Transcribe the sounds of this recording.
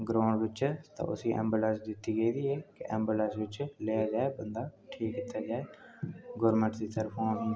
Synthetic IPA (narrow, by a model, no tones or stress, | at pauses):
ɡɾãːɳɖʋɪt͡ʃt̪ã̰ːʔʊ̰sĩːʔɛ̰̃ːmbuləsd̪ɪt̪ːiːɡeiːd̪iːɛːkɪʔɛ̰ːmbələsʋɪt͡ʃleːaːd͡ʒaːebənd̪aːʈʰiːkkit̪ːaːd͡ʒaːeːɡʊɾmə̃ɳʈd̪iːt̪əɾpʰãːʋiː